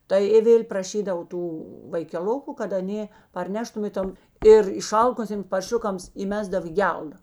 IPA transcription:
ˈtɐɪ ɪ ˈʋʲeːlʲ prɐˈʃʲiːdɐw ˈtuː ʋɐɪkʲɛˈlˠʊkʊ kɐt ɐˈnʲeː pɐrʲˈnʲæːʃtʊm ɪ ˈtoːm ɪr ɪˈʃɐlˠkʊsʲeːms pɐrʲˈʃʲʊkɐms iːˈmʲæːzdɐw iː ˈɡʲɛlˠdɐ

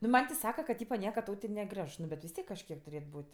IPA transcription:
nʊ ˈmɐnʲ tʲɪ ˈsɑːkɐ kɐ kɐ ˈtʲiːpɐ ˈnʲiɛkɐ ˈtɐʊ tʲɪ nʲɛˈɡrʲɛʃ ˈnʊ bʲɛt ʋʲɪs ˈtʲiɛk kɐʃʲˈkʲiɛk tʊˈrʲeːt ˈbuːtʲ

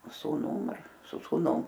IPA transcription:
suːˈnʊm ɐr sʊ suːˈnʊm

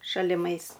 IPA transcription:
ʃɐlʲɪˈmɐɪs

